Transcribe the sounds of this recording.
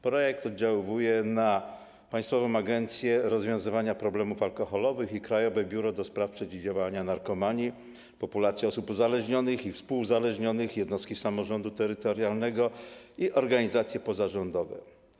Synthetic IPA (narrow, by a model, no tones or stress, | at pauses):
pɾɔjɛk̚t̪ɔd̪̚d͡ʑawɪvujɛna | paj̃st̪fɔvɔ̃w̃aɡɛnt̪sʲjɛɾɔzvʲjɔ̃w̃zɘvaɲapɾɔblɛmufalkɔxɔlɔvɘxikɾajɔvɛbʲjuɾɔd̪ɔspɾafpʂɛd͡ʑid͡ʑavaɲanaɾkɔmaɲi | pɔpulat̪sʲjɛɔsupuzalɛʐɲɔnɘxifspuwzalɛʐɲɔnɘxjɛd̪nɔst̪kʲisamɔʐɔnd̪ut̪ɛɾɘt̪ɔɾjalnɛɡɔiʔɔɾɡaɲizat̪sʲjɛpɔzaʐɔnd̪ɔvɛ̰